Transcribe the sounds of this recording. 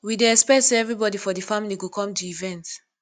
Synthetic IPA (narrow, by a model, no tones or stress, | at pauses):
wideɛspɛtseɛvɹibɔdifɔdəfamiliɡokʰɔ̃mtuivɛ̃nt